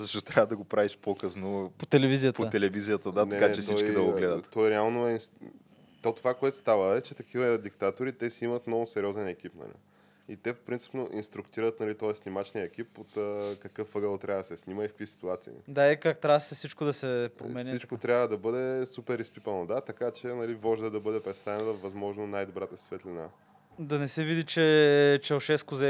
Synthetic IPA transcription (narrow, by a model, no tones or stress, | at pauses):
zɐʃt̪ɔt̪ɾʲavəd̪ɐɡopɾaviʃpokəsnopot̪ɛlɛvizijət̪pot̪ɛlɛvizijət̪əd̪atnɐɛkat͡ʃt͡ʃɛsiɔt͡ʃkkid̪ɐoɡlɛd̪ət̪ːɔɛɾɛalˠnoɛi | t̪ot̪ːovakoɛt̪o̥st̪avəɛt͡ʃɛt̪ɐkivəd̪ikt̪at̪oɾit̪ɛsiimɐt̪nɔvʊsɛɾʲɔzɛnɛkipnɐ̰lḭ | it̪ɛpo̥pɾint̪si̥pnoʔinst̪ɾukt̪iɾət̪nɐlit̪ɔɛsnʲimat͡ʃniəɛk̟ipot̪əkɐkɤfɤɡəlˠt̪ɾʲavəd̪ɐsɛsniməikəkvisi̥t̪uat̪sḭːd̪aɛkak̚t̪ɾasɛfsit͡ʃkod̪ɐsɛpɾo̰mɛnsit͡ʃkot̪ɾʲavəd̪ɐbɤd̪ɛsupɛɾispipənod̪at̪ɐkat͡ʃɛnɐlivɔʒd̪əd̪ɐbɤd̪ɛpɾɛt̪st̪avɛnt̪ɐvɐzmɔʒnonajd̪obɾat̪əsvɛt̪lina̰ | d̪ɐnɛsɛvid̪it͡ʃɛt͡ʃɛlʃɛskʊzɛ